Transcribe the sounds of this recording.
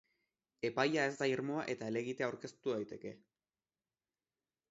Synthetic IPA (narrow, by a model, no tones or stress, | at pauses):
e̞pajae̞zd̪aiɾmo̞aʔe̞t̪ae̞le̞ɣit̪eawɾke̞st̪uðajt̪e̞ke̞